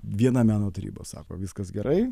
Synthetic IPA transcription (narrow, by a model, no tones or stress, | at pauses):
ʋʲiɛnɑmʲæːnoːt̪ɐɾʲḭbo̰ːsɑ̰ːko̰ːʋʲɪskɐsɡʲɛɾʔɐɪ